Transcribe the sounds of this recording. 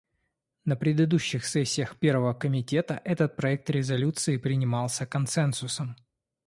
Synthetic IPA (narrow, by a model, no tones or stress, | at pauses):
nəpɾʲɪd̪ɨd̪uɕːɪxsɛsʲːɪjəxpʲervəvəkəmʲɪtʲe̞t̪əʔɛt̪ət̪̚pɾɐɛk̚t̪ɾʲɪzɐlʲut̪sɨɪpɾʲɪnʲɪmɑlˠsʲəkɐnsɛnsʊsəm